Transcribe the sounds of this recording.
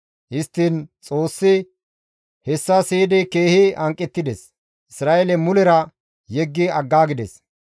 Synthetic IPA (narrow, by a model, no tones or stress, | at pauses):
hɪst̪ːiːnt͡sʼo̞ːsːɪ | hɛsːɐsiːd̪ɛke̞ːhɪɐŋkʼːɛt̪ːɪd̪ɛs | ʔɪsɾaːʔelɛmʊlɛɾɐ | jɛɡːɪɐɡːaːɡɪd̪ɛs